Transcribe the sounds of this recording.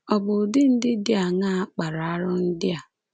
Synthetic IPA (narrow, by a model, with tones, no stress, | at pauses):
ɔ˨bʊ˨dɪ˦n̩˦dɪ˦dɪ˦a˨ŋa˦k͡pa˨ɾa˨a˦ɾʊ˦n̩˦dɪ˦a˨